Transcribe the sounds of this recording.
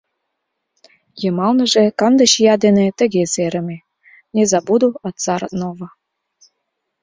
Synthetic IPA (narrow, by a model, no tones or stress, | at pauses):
jɤmɑlnɤ̆ʒekɑnd̪ə̆ɕjɑd̪enet̪ə̆ɣeseɾə̆me | nʲezɑbud̪uɑt̪t͡sɑɾɤ̰̆t̪novɤ̆